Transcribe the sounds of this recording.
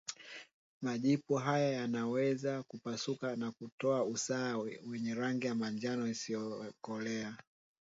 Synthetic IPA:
maʄipuɦajajanawɛzakupasukanakutɔausaːwɛɲɛɾaŋɡijamaɲd͡ʒanɔisijɔkɔlɛa

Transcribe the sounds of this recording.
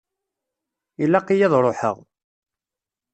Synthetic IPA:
ilːæqːijɑðˤɾˤoħə̰ʁ

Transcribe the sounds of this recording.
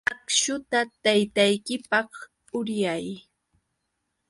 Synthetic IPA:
akʃʊt̪at̪ajt̪ajkɪpɑχ | ʊɾjaj

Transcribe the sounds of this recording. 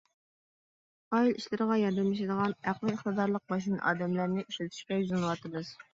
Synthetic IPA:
ɑjiliʃlɪɾəʁɑjɑɾd̪ɛmɪʃ̬ɪd̪əʁɑnæqlˠɨɪχt̪ɨd̪ɑɾlˠəq̚mɑʃ̬inʔɑ̰ːd̪ɛmlæɾnɪʔyʃylt̪ʰy̥ʃkʲɛjuzɨnɨwɑt̪ɨmɨz̥

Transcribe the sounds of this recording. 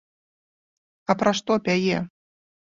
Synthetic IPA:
ɐpɾaʂt̪ɔpʲajɛ

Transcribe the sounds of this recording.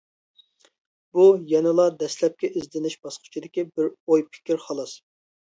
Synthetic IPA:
b̥ujɛnɨlˠɑd̪ɛslɛp̚kʲɛʔizd̪ɪnɪʃb̥ɑsqʰʊ̥t͡ʃʰid̪ɪkʲibɪɾojpʰɪ̥kʲʰiɾχɑlˠɨs

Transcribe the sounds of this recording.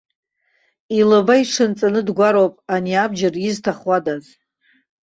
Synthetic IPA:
ilɨbaiʂʰɨnt͡sʼanɨdɡʷaɾowpʼaniabd͡ʒariztʰaχwadaz

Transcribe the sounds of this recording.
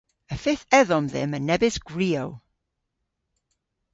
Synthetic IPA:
əfɪθɛðɔmðɪ̰mənɛbɪsɡ̥ɹiːow

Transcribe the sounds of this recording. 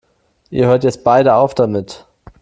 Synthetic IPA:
ʔiːɐhøːɐtjɛt͡st̚b̥aɪɾəaʊfd̥amɪt

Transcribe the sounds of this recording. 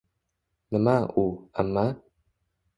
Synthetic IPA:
nəmaʔua̰mːa

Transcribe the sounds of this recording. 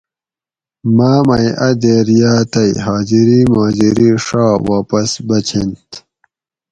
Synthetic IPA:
maːmɐjʔɐd̪eːɾjaːt̪ɐjɦaːd͡ʑiɾiːmaːd͡ʑiɾiʂaːwaːpɐsbɐt͡ɕʰint̪

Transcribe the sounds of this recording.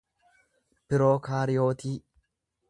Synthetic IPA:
pɪɾo̞ːkaːɾɪjo̞ːt̪iː

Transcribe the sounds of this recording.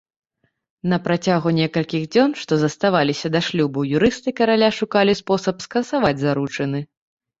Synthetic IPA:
nɐpɾat͡sʲaɣunʲɛkɐlʲkʲiɣd͡zʲɔnʂt̪ɔzɐst̪avalʲisʲɐd̪aʂlʲubɐwjuɾɨst̪ɨkɐɾalʲaʂukalʲispɔsɐpskɐnsavad͡zʲzaɾut͡ʂɐnɨ

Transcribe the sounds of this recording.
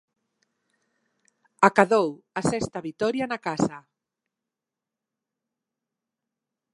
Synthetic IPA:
akaðowasɛst̪aβit̪ɔɾjanakasa

